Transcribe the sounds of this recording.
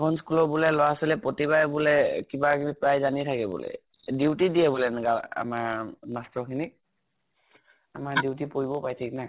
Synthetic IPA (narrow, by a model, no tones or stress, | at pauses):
bɔnskulɔbulɛlɔwasɔlɛpɹotibajbulɛkibakʰinipɹajzanitʰakɛbṵlɛ̰ | diwtidiɛbulɛnɡala̰maɹnastɹɔkʰinik̚ | amaɹdiwt̬ipoɹibɔpajtʰikna